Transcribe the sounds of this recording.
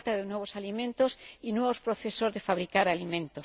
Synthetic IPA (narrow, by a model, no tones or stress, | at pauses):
t̪aðenweβosalimẽnt̪osinweβospɾoθesozðefaβɾikaɾalimẽnt̪os